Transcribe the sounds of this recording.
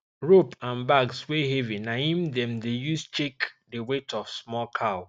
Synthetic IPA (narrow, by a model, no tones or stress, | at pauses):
ɹopʰãnbaɡsweɦevĩnaĩmdɛ̃mdejust͡ʃekdewetʰɔfsmɔlkʰaʊ